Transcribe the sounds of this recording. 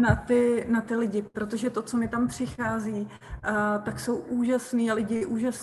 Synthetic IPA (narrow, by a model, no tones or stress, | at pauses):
nat̪ɪnat̪ɪlɪɟɪpɾo̞t̪o̞ʒɛt̪o̞t͡so̞mɪt̪ampr̥ɪxaːziː | t̪akso̞wʔuːʒasniːalɪɟɪʔuːʒas